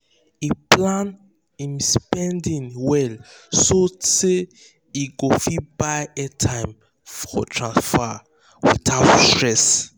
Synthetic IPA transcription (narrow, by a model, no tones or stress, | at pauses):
iplãn | ĩmspɛ̃ndĩnwɛlsose | iɡofibaɪɛtʰãɪ̃m | fɔ̰tʰɹãnsfa | wḭtʰaʊtstɹɛs